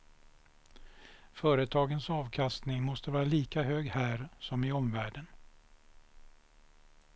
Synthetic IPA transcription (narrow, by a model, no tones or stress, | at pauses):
fœːɾət̪ʰɑːɡənsɑːvkʰast̪nɪŋmɔst̪əvɑːɾaliːkaɦøːɡhæːɾsɔmɪɔmvæːɖən